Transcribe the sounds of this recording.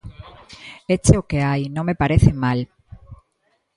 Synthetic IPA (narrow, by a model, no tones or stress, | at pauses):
et͡ʃeokeajnõŋmepaɾeθɪmal